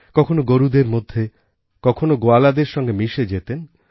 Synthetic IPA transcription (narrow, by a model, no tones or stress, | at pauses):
kɔkʰonoɡoɾud̪eɾmod̪ʱːe | kɔkʰonoɡoalad̪eɾʃɔŋɡemiʃed͡ʑet̪en